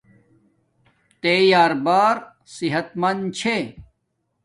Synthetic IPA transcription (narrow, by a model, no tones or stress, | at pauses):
t̪eːjaːɾbaːɾ | siɦɐt̪mɐnd̪t͡ɕʰe